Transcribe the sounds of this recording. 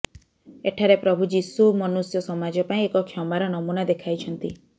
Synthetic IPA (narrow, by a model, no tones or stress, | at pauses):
eʈʰaɾepɾɔbʱud͡ʒisumɔnusjɔsɔmad͡ʒɔpaĩekɔkʰjɔmaɾɔnɔmunad̪ekʰajt͡ʃʰɔnt̪i